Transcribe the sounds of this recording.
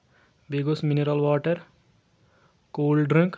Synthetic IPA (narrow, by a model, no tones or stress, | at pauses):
biɡosminiɾɐlwaːʈɐɾ | koːlɖɾĩŋk